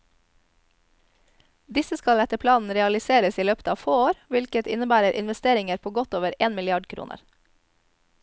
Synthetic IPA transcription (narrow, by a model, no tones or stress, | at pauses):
d̪ɪsəskɑlɛt̪əpʰlɑːnn̩ɾɛɑlɪseːɾəsiːløːpə̥t̪ʰɑːʋfoːoːɾʋɪlkət̪ɪnəbæːɾəɾʔɪ̰nʋɛst̪eːɾɪŋəɾpʰoːɡɔt̪oːʋəɾeːnmɪlɪɑɖkʰɾṵːnə̰ɾ